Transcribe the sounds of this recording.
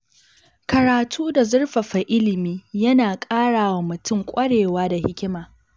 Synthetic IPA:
kɐ˨ɾaː˨tʰuː˦da˨zʊ˦rɸɐ˨ɸa˨ʔɪ˦lɪ˨miː˦jɐ˦naː˨kʼaː˦ɽaː˨wa˨mʊ˨tʊ˦˨ŋkʷʼɐ˦ɽeː˨waː˦da˨hɪ˦kʲɪ˦maː˨

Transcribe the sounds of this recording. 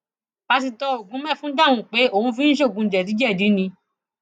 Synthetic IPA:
b̥a˧ti˧tɔ˧o˨ɡũ˨˦mɛ̃˦˨fũ˦da˦˨wũ˧˨k͡pe˨˦o˦˨ũ˧˦fĩ˦n̩˦ʃ̬o˦˨ɡũ˧˨d͡ʒɛ˨di˨˦d͡ʒɛ˦˨di˨˦nĩ˧

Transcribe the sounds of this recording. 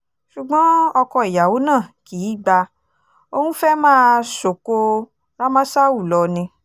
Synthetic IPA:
ʃu˨ɡ͡bɔ̃˨˦ɔ˧kɔ˧i˨ja˨wo˨˦nãː˦˨ki˨˦ɡ͡ba˧ | o˧hũ˦fɛ˦mãː˦˧so˨ko˧ | ɾa˦mã˦sa˦wu˦˨lɔ˧nĩ˧

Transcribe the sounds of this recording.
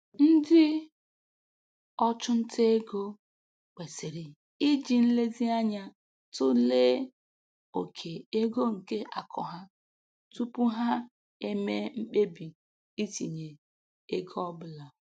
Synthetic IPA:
n̩˦dɪ˦ | ɔ˦t͡ʃʊ˦n̩˦tʰe˦e˦ɡo˦ | k͡pe˨sɪ˨ɾi˨ | i˦d͡ʒi˨n̩˦le˦zi˦a˦ɲa˦ | tʊ˦leː˦ | o˨kʰe˨e˦ɡo˦ŋ̩˨ke˦ʔa˨kʰɔ̰˨ɦa˦ | tu˦pu˦ɦa˦ | e˦me˦ŋ͡m̩˦k͡pe˦bi˨ | i˦ti˨ɲe˨ | e˦ɡɔ˦bʊ˦la˨

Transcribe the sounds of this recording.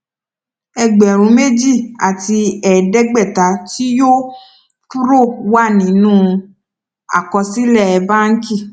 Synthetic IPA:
ɛ˧ɡ͡bɛ˨ɾ̃ũ˨˧˦me˦d͡ʒi˦˨a˨ti˧ɛ˨dɛ˦ɡ͡bɛ˦˨ta˨˦ti˦jo˦ | tu˦ɾo˦˨wa˦˨nĩ˨˦nũː˦˧ | a̰˨kɔ̃˧si˦lɛ˦˨ɛ˧ba˦ŋ̩˦ki˦˨

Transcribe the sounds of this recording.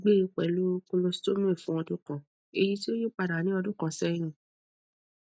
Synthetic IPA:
ɡ͡be˦˧k͡pɛ˨lo˦ko˧lo˧si̥˦to˦mũ˦i˦˨fũ˦ɔ˧dũ˦kɔ̃˨ | e˧ji˧ti˦o˦ji˦˨k͡pa˧˨ɾa˨nĩ˦ɔ˧dũ˦kɔ̃˨˧˨sɛ̃˦ĩ˧˨

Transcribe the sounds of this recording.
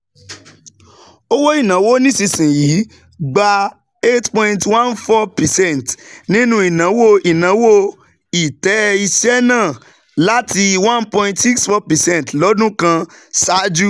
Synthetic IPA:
o˦wo˦i˦˨nã˨˦wo˦nĩ˦si˧sĩ˨ji˨˦ | ɡ͡ba˧ | e˦tpɔ̃˧ĩntwã˦nfɔ˦pɛ˨sɛ̃˦˨ntnĩ˦nũ˦i˨nã˨˦wo˦i˨nã˨˦wo˦ | i˨tɛ˨˦i˧ʃɛ˦nãː˦˨ | la˦ti˧wã˦npɔ̃˧ĩ˧tsi˦ksfɔ˦pɛ˨sɛ̃˦n˨tlɔ˨˦dũ˦kã˧sa˨˦d͡ʒu˦

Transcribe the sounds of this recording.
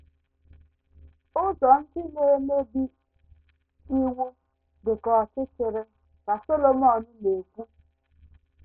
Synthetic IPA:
ʊ˦zɔ˨n̩˦dɪ˦ne˦me˦bi˦ | i˦wu˦ | bɪ˨kɔ˨sɪ˦t͡ʃɪ˨ɾɪ˦ | ka˨so˦lo˨m˦ɔ˨nʊ˦ne˨ku˦

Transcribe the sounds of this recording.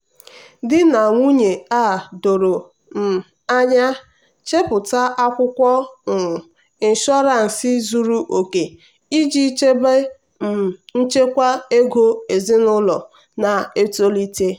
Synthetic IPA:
dɪ˦na˨ŋʷu˦ɲe˨a˦˨do˨ɾo˨ | m̩˨ | a˦ɲa˦ | t͡ʃe˦pʊ˨ta˦a˦kʷʊ˦kʷɔ˦ŋ̩˨ | i˨n˨ʃɔ˦ɾa˨n̩˨si˦zu˨ɾu˦ʔo˨ke˨ | i˦d͡ʒi˦t͡ʃe˦be˦˨ | n̩˦t͡ʃe˦kʷa˦e˦ɡo˦e˨zɪ˦nʊ˦lɔ˨ | na˨e˦to˦li˦te˦

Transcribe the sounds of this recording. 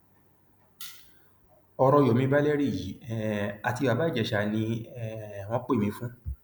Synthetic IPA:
ɔ˧ɾɔ˧jo˨mĩ˧˦ba˦le˦ɾi˦˨ji˨˦˨a˨ti˧wa˨ba˨˦˨d͡ʒɛ˨ʃa˧˨nĩ˧˦˨ | w̃ɔ̃˧˦k͡pe˦˨mĩ˨˧˦fũ˦

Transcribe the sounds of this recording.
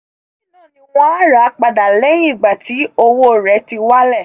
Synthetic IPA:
i˨nã˦˨nĩ˧w̃ɔ̃˦a˦ɾa˨˦k͡pa˧da˨le˦jĩ˦˨ɡ͡ba˨ti˨˦o˧wo˦˨ɾɛ˨˦ti˧wa˦lɛ˦˨

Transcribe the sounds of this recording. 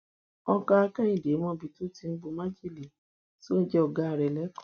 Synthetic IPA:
ɔ˦ka˦a˧ka˦i˦˨de˨˦mɔ̃˦˨bi˧to˦ti˧n̩˦bo˧mã˦d͡ʒe˦˨le˨ | si˦o˦n̩˦d͡ʒɛ˦ɔ˨ɡa˨˦˨ɾɛ˨lɛ˨˦kɔ̥̃˨

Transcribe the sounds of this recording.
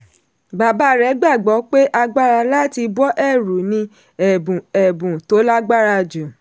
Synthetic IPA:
ɡ͡ba˨ba˦ɾɛ˨˦ɡ͡ba˦˨ɡ͡bɔ˨˦k͡pe˦ʔa˧ɡ͡ba˦ɾa˧la˦˨ti˧bɔ˦ʔɛ˦˨ɾu˨nĩ˧˦ | ɛ˨ɛ˨bũ˨to˨˦la˦ɡ͡ba˦ɾa˧d͡ʒu˨

